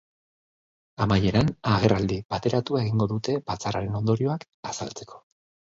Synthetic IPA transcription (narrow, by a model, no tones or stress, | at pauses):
amaje̞ɾanaɣ̞e̞rald̪ibat̪e̞ɾat̪uae̞ɣiŋɡo̞ðut̪e̞bat͡saraɾe̞no̞nd̪o̞ɾio̞ak | asa̰lt͡se̞̥kʰo̞̥